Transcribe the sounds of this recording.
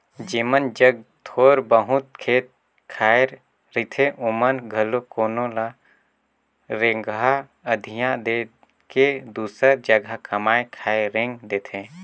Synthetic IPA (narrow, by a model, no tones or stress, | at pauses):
d͡ʒimənd͡ʒəɡ̚t̪ʰoːɾbəɦʊt̪̚kʰeːt̪̚ | kʰaːjɾ | ɾit̪ʰẽʔʊmənɡʱɐlokoːnola | ɾẽŋɡa | əd̪ʱijãd̪e | ked̪uːsəɾd͡ʒəɡʱakɐmaːjkʰaːɾẽŋɡd̪eːt̪ʰẽ